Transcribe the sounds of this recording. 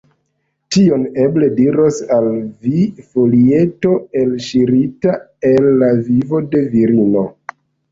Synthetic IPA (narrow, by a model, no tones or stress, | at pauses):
tio̞ne̞ble̞diɾosalvifo̞lie̞to̞e̞lʃiɾita | e̞lːavivo̞de̞viɾino̞